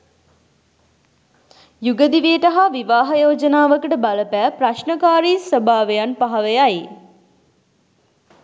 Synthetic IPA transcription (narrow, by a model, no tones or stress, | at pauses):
juɡəd̪iʋeːʈɐɦaʋiʋaːɦɐjoːd͡ʒənaːʋəkəʈəbaləpæːpɾaʃnəkaːɾiːsʋəbʱaːʋejanpaɦɐʋejaj